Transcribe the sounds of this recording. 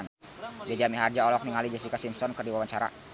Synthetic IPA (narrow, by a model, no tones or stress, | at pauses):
n | dad͡ʒamiɦard͡ʒaɔlɔk̚niŋalid͡ʒas̬ikasimsɔnkərdiwawanɲt͡ʃaɾa̰